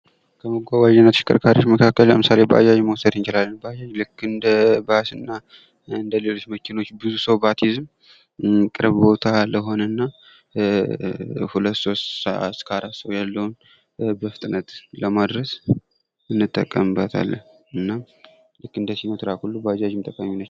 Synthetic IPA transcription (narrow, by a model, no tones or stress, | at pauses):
kʰəməɡʷawaʒɛnːət̪ʃɪ̥kʼə̰ɾkʰaɾiot͡ʃːməkʰakːəlləmɨsale̞bəʔa̰d͡ʒaʒməwɔsəd̪ɨnt͡ʃɪlalːənbəajaʒlɨkːɨnd̪əbasɨnːa | ɨnd̪əle̞lo̞t͡ʃːməkʰino̞t͡ʃːbɨzusəwbat̪ʰizm | kʼɨɾβbo̞t̪ʰaləɦo̞nənːa | hulət̪ːso̞st̪səʔa̰skʰaɾat̪səwjalːəwun | bəfɨt̪ʼɨnət̪ləmad̪ɾəs | ɨnːɨt̪ʼːəkʼːəmɨbət̪ʰa̰lːə̰h | ʔɨnːam | lɨkːɨnd̪əsinət̪ʰɨɾakʰulːubəad͡ʒaʒɪmt̪ʼəkʼːəmːinːət͡ʃː